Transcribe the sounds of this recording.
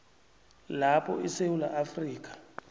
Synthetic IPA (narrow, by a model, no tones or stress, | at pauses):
lapʰɔ̰isewula̰ʔafriːk̬ʼḁ